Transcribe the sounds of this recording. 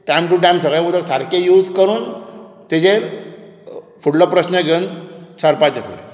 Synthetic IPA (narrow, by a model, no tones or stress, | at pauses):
ʈamʈuɖãmsəɡɭeud̪ʱəksaɾkejuːd͡zkəɾuːn | t̪ed͡ʑe | fuɽlɔpɾəsnəɡʱeunt͡ɕaɾpãt͡ɕefʰule